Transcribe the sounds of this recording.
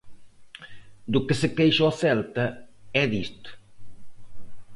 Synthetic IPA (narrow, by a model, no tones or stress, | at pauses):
d̪ʊkɪsɪkejʃɔθɛlt̪ɐɛðist̪ʊ̥